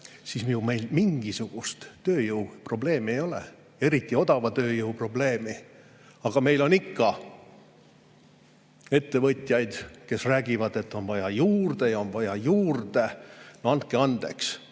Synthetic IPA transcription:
sismijume̞jlmiŋɡ̥isuɡ̥ust̪ːøːjɯwpro̞ble̞ːmie̞jo̞lḛ | e̞ɾit̪ːˑio̞d̪̥ɑvɑt̪ø̞ːjɯwpro̞ble̞ːmi | ɑɡ̥ɑme̞jlo̞nikːɑ | e̞t̪ːe̞vɤt̪ʲjɑjd̪̥ke̞sræːɡ̥ivɑd̪e̞t̪ːo̞nvɑjɑjuːrd̪̥e̞jɑonvɑjɑjuːrd̪̥e̞nɑnt̪̚ke̞ɑnd̪̥e̞̰ks

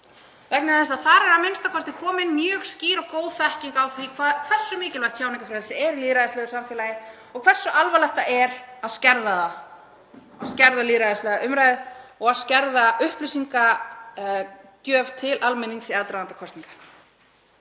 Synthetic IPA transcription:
vɛk̚nɪaθɛsaðθaɾɛɾamɪnst̪akʰɔst̪ɪkʰɔːmɪnmjœːɣsciːɾɔɣkoːwðfɛhciŋkawθikʰvakʰv̥ɛr̥sːʏmɪːcɪlvaht̪ʰçaːwniŋkafɾaðsɪɛɾliːɾaðɪst̪ɛɣʏɾsamfɪɛːlajɪ | ɔɣkʰv̥ɛr̥sːʏʔalvalɛht̪aʔɛɾaðscɛɾðaða | ascɛɾðaliːɾaðɪst̪lɛɣaʔʏmɾajðɔɣaðscɛɾðaʔʏhplisiŋka | cœːv̥t̪ʰɪlʔalmɪniŋsɛðt̪ɾaant̪akʰɔst̪iŋkḁ

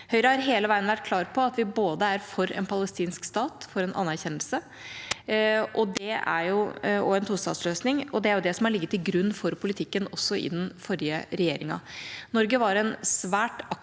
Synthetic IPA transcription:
hœʏɾəhɑɾɦeːləʋæɪənʋæʈ̚kʰlɑːɾpʰɔɑt̪ʋɪboːd̪əæɾfɔɾɛ̰npʰɑləst̪iːnskst̪ɑːt̪fɔɾɛnʔɑ̰nːæɾçɛnːəlsə | ʔɔd̪ɛæ̰ɾjʊɔɛnt̪ʰuːst̪ɑ̰d̪sløːsnɪŋɔd̪ɛæɾjʊd̪ɛsɔmhɑɭɪɡːət̪ːɪlɡɾʉnːfɔɾpʰʊlɪt̪ʰɪkːənɔsːɔʔɪ̰d̪nfɔɾjəɾɛjḛːɾɪŋɑ̰nɔɾɡəʋɑɾɛnsʋæːʈɑk

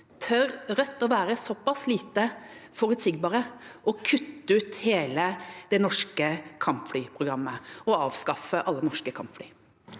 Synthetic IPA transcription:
t̪ʰœɾɾœt̪ːɔʋæːɾəsɔpːɑsliːt̪əfɔɾʉd̪sɪɡbɑːɾəʔɔkʰʉt̪ːəʉːt̪heːləd̪ɛnɔʂkəkʰɑmpflyːpʰɾʊɡɾɑmːəɔɑːʋskɑfəʔɑlːənɔʂkəkʰɑmpflyː

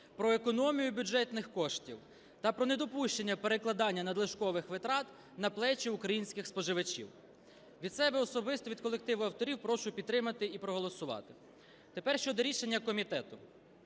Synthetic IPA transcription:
pɾɔekɔnɔmʲijʊbʲud͡ʒɛt̪nɪxkɔʃtʲiw | t̪ɐpɾɔned̪ɔpuʃt͡ʃenʲːɐpeɾeklˠɐd̪ɑnʲːɐnɐd̪lˠɪʃkɔʋɪxʋɪt̪ɾɑt̪ | nɐplˠɛt͡ʃiʊkɾɐjinʲsʲkʲɪxspɔʒɪʋɐt͡ʃʲḭw | ʋʲid̪sɛbɛɔsɔbɪst̪ɔʋʲid̪̚kɔlˠek̚t̪ɪʋʊɐwt̪ɔɾʲiwpɾɔʃʊpʲid̪t̪ːɾɪmɐt̪ɪipɾɔɦɔlˠɔsʊʋɑ̰t̪ɪ̥ | t̪epɛrʃt͡ʃɔd̪ɔɾʲiʃenʲːɐkɔmʲit̪ɛt̪ʊ

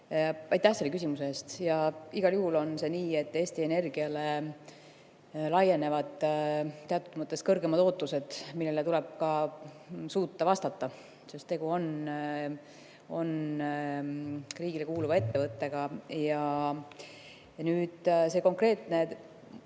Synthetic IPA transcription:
ɑjt̪ːˑæhse̞lːekysimuseeːst̪jɑiɡ̥ɑljuhulo̞nse̞niːe̞t̪ːe̞ːst̪ie̞ne̞rɡ̥iɑle | lɑje̞ne̞vɑd̪̥t̪ːe̞ɑt̪ːˑu̥t̪mɤt̪ːˑe̞skɤrɡe̞mɑd̪o̞ːt̪ːˑuse̞d̪̥milːelet̪ulɛb̥̚kɑ | suːt̪ːɑvɑst̪ɑt̪ˑːɑ | sest̪e̞ɡuo̞n | o̞n | riːɡ̥ile̞kuːluvɑe̞t̪ːe̞vɤt̪ːe̞ɡ̥ɑjɑ | nyːd̪̥se̞ko̞ŋkre̞ːt̪ne̞

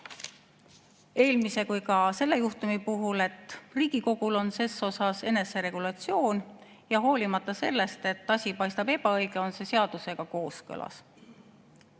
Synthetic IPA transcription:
e̞ːlmise̞kujkɑse̞lːe̞juht̪umipuɦule̞t̪ːˑriːɡ̥iko̞ɡ̥ulo̞nse̞sːo̞sɑse̞ne̞se̞ɾe̞ɡ̥ulɑt̪sio̞ːn | jɑɦo̞ːlimɑt̪ːˑɑse̞lːe̞st̪e̞t̪ːˑɑsʲipɑjst̪ɑb̥e̞bɑɤjɡ̥eo̞nse̞se̞ɑd̪̥use̞ɡ̥ɑko̞ːskɤ̰lɑ̰s

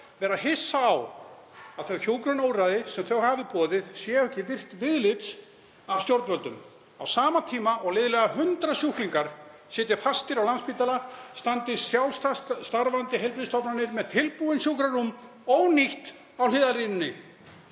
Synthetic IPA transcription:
vɛːɾaðɦɪsːaːw | aðθœɣçjoːwkɾʏnoːwraðɪsɛmθœwhavðɪpɔːðɪðsjɛœhcːɪvɪr̥t̪vɪðlɪt̪s | avst̪jɔɾt̪vœlt̪ʏm | a̰wsaːmat̪ʰiːmaɔɣlɪːðɪlɛɣahʏnt̪ɾasjuhkliŋkaɾ̥ | sɪːt̪ɪ̥fast̪ɪɾawlanspiːt̪alast̪ant̪ɪsjawlst̪ast̪aɾvant̪ɪɦejlpɾiðst̪ɔpnanɪɾmɛðt̪ʰɪlpuðɪnsjowkɾarumː | ɔɣniht̪ | awlɪːðarinʏnːɪ

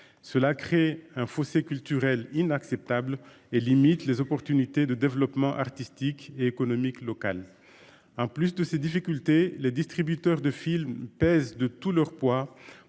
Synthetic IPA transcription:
səlakχeɛ̃fosekʲylt̪yʁɛlinaksɛp̚t̪abl | elimit̪lezɔpɔʁt̪ynit̪ed̪əd̪evlɔpmɑ̃ʔaʁt̪ist̪ikeekɔnɔmiklɔka̰l | ɑ̃plysd̪əsed̪ifikʲylt̪eled̪ist̪χibyt̪œʁd̪əfilmpɛzd̪ət̪ulœʁpwa

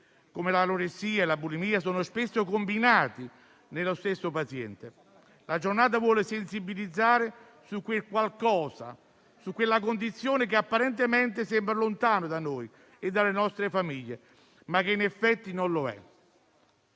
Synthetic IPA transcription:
komelaloɾesiːaelabulimiːasoːnospesːokombinaːt̪i | nelost̪esːopat̪sjɛ̰nt̪e | lad͡ʒornaːt̪̬avwɔːlɪsensibilid̪zːaːɾe | sukːwekwalkɔːsa̰ | sukːwelːak̬ond̪it̪sːjoːnek̬ɪapːaɾɛnt̪̬ɪmɛnt̪ɪsɛmbɾalont̪aːnod̪anoj | ed̪ːalːenɔst̪ɾefamiʎːe | mak̟ːeinɛfːɛt̪ːinonloɛ̰

